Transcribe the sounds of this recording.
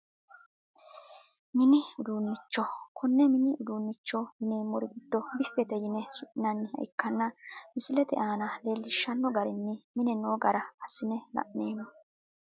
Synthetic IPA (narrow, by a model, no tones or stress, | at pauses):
mɪnɪʊd̪uːnːɪt͡ʃːɔkʰɔnːɛmɪnɪʊd̪uːnːɪt͡ʃːɔjɪneːmːɔɾɪɡɪd̪ːɔbɪfːɛt̪ɛjɪnɛsʊʔɪnɐnːhɐ̰ʔɪkːɐnːɐmɪsɪlɛt̪ɛ̰ʔaːnɐleːlːɪʃːɐnːɔɡɐɾɪnːɪmɪnɛnoːɡɐɾɐɐsːɪnɛlɐ̰ʔneːmːɔ